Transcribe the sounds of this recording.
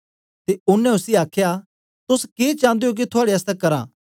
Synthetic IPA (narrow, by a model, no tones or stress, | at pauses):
t̪eʊnɛ̃ʊsiaːkʰja | t̪ʊskeːt͡ʃãːnd̪ejok̬it̪ʰʊaːɽeɐst̪ɛkɐɾã̰ː